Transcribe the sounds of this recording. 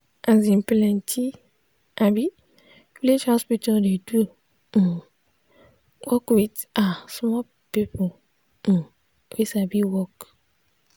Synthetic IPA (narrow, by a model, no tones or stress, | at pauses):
azĩmplɛ̃ntʰi | ʔabi | vilid͡ʒhɔspitʰaldedu | wʔɔkwitasmɔ | pipɔ | wisabiwɔk